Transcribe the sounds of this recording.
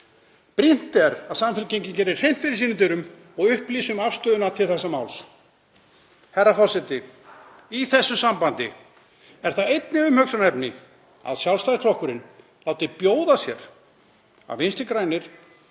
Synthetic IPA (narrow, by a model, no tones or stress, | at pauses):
pɾin̥t̪ɛɾaðsamfɪɾcejɲcɪncɛːɾɪɾ̥ejm̥t̪fɪɾɪ̥ɾsiːnʏmt̪ɪɾʏm | ɔɣʏhpliːsʏmafst̪œːðʏnat̪ʰɪlθɛsːamawls | hɛrːafɔsɛt̪ɪ | iθɛsːʏsampant̪ɪ̰ | ɛɾ̥θaðejt̪nɪʏmhœksanɛpnɪ | a̰ðsjawlst̪ajst̪ʰɾɔhkʏɾɪn | laːwt̪ɪpjoːwðasjɛ̰ɾ̥ | a̰vɪnst̪ɪkɾaːjnɪɾ̥